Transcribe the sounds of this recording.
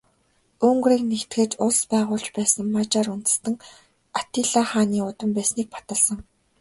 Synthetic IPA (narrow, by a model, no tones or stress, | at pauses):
ɵŋɡriːknext̪ɡeːt͡ɕʊɮspæːʁʊːɮt͡ɕpæːsə̆ŋmat͡ɕaːɾunt̪ɘ̆st̪ə̆ŋ | at̪iɮaːχaːniːʊt̪ə̆mpæːsniːk̚pʰḁt̪ə̆ɮsə̆ŋ